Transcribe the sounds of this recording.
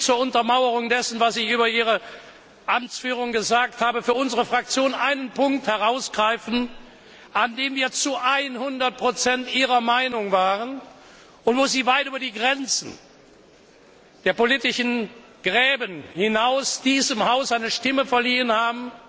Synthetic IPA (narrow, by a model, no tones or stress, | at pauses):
t͡suːɐʊntɐmaʊəʁʊŋdɛsn̩vasɪçʔyːbɐʔiːʁ̞ə | ʔamt͡sfyːʁ̞ʊŋɡəzaːkthaːbəfyːɐʊnzəʁəfʁ̥ak̚t͡sjoːnʔaɪnənpʰʊŋk̚thɛʁaʊsɡ̥ʁaɪfn̩ | ʔandeːmviːɐt͡suʔaɪnhʊndɐt̚pʁ̥ot͡sɛntʔiːʁɐmaɪnʊŋvaːʁən | ʊntv̥oːziːvaɪtʔyːbɐdiːɡʁɛnt͡sn̩ | d̥eːɐpoliːtɪʃn̩ | ɡ̥ʁɛːbənhɪnaʊsd̥iːzəmhaʊsʔaɪnəʃtɪməfɛɐliːənhaːbm̩